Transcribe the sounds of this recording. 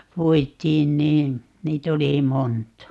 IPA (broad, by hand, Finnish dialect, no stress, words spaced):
puitˑiːn niː niːt oli montɑ